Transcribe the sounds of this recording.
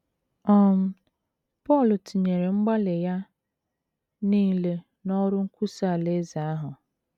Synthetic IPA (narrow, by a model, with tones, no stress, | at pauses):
ɔ˦m̩˦ | pɔ˦˨lʊ˨tʰi˨ɲe˨ɾe˨ŋ͡m̩˦ɡ͡ba˦lɪ˨ja˦ | niː˦˨le˦ | nɔ˦ɾʊ˦ŋ̩˦kʷu˦sa˦˨le˦za˨a˦ɦʊ˨